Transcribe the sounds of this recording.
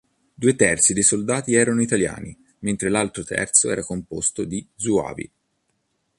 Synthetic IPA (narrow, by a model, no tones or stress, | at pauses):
d̪uːet̪ɛrt̪sid̪ejsold̪aːt̪iɛːɾanoit̪alja̰ːni | ment̪ɾelalt̪ɾot̪ʰɛ̰rt̪soɛːɾakompost̪od̪izua̰ːvḭ